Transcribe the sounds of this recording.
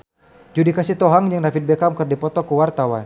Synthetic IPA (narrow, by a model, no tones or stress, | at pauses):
d͡ʒudikasit̪ɔɦaŋjaŋnafit̪̚bɛkamkɨrdipɔt̪ɔkuwart̪awan